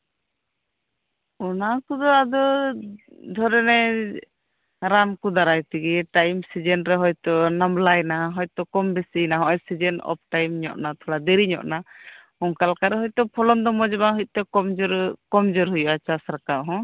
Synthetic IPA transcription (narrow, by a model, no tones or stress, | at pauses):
ɔnakɔd̪ɔad̪ɔ | d̪ʱɔɾɛnɛ | ɾankɔd̪aɾajt̪iɡiʈajmsid͡ʒɛnɾɛɦɔjt̪ɔnamlajnaaɦɔjt̪ɔkɔmbɛsinaɦɔ̃ʔɔjsid͡ʒɛnɔ̰p̚ʰʈajmɲɔ̰ʔnat̪ʰɔlad̪ɛɾiɲɔ̰ʔna | ɔŋkalkaɾɛɦɔjt̪ɔpʰɔlɔnd̪ɔmɔd͡ʒɔbaɦuc̪̚ˀt̪ɛkɔmd͡ʒɔɾkɔmd͡ʒɔɾɦujuʔat͡ʃasɾakaʔɦɔ̃